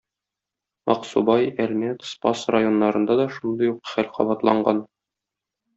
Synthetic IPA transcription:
mɒqsubɑjælmæt̪spɑsrajo̞nːɑɾɤ̆nd̪ɑd̪ɒʃund̪ɤjuqχælqɒ̰bɑt̪lˠɑɴɢɑn

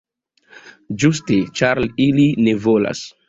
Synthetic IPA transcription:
d͡ʒustet͡ʃaɾliline̞vola̰s

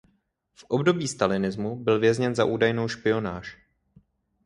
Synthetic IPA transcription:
fʔobdo̞biːst̪alɪnɪzmubɪlvjɛzɲɛnza̰ʔuːdajnowʃpɪo̞naːʃ

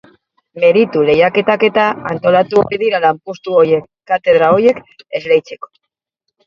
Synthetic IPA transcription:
me̞ɾit̪ule̞jake̞t̪ake̞t̪aant̪o̞lat̪uoɾiðiɾalampust̪uoje̞kːat̪e̞ðɾao̞je̞ke̞zlejt͡se̞ko̥

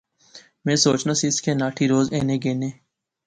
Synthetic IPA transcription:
mẽːsoːt͡ʃnaːsiːɪskeːnaːʈʰiːɾoːzḛ̃ːnẽːɡeːneː

